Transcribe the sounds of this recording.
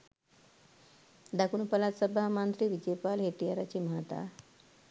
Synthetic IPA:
d̪akunupəlat̪səbʱamant̪ɾiːʋid͡ʑepalɦeʈijaɾat͡ɕiːmat̪a̰

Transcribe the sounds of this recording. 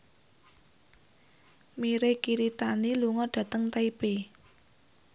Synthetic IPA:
miɾekiɾit̪aniluŋɔɖ̥ä̤t̪əŋt̪aipe

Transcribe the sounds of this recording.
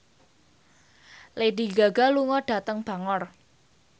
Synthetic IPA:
lediɡaɡaluŋɔɖ̥a̤t̪əŋb̥ä̤ŋɔr

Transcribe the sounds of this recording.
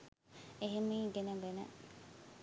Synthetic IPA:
eɦemiːɡeneʋenɐ̰

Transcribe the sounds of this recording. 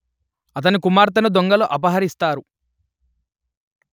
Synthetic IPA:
ɐt̪̬ɐnikumaːɾt̪̬ɐnud̪oŋɡɐloːʔɐpɐɦɐɾist̪aːɾu

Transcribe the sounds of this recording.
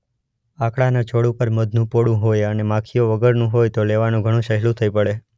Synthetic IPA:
akɭanat͡ʃʰoɽũpəɾməd̪nũpoɽũɦojənemãkʰijoʋəɡəɾnũɦojt̪oleʋanũɡʱəɽ̃ũʃəɦlũt̪ʰəipəɭe

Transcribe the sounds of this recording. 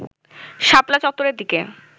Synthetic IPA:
ʃaplat͡ɕɔt̪ːoɾeɾd̪ike

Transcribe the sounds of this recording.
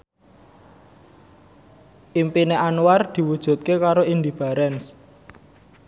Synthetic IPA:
ʔimpineʔanward̪̥i̤wud̥ʒ̥ṳt̪̚kekaɾoind̪ib̥a̤ɾɛns

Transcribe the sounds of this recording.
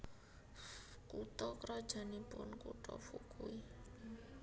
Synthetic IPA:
kut̪ɔkɾɔd̥ʒ̥a̤nipʊnkut̪ɔfukui

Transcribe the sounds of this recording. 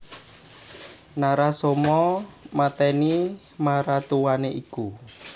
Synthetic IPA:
naɾasomɔmat̪ɛni | maɾat̪uwaneʔiku

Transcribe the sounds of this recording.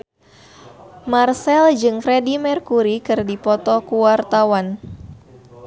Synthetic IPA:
marsɛld͡ʒɨŋfɾɛdimɛrkuɾikɨrdipɔt̪ɔkuwart̪awan

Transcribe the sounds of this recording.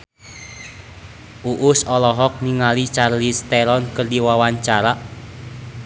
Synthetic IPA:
ʔuʔʊsɔlɔɦɔk̚niŋalit͡ʃarlist̪ɛɾɔnkərdiwawaɲt͡ʃaɾaʔ

